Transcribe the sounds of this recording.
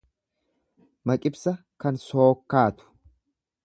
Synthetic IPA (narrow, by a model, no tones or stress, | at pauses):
mɐkʼɪbsɐkɐnsoːkːaːt̪ʊ̥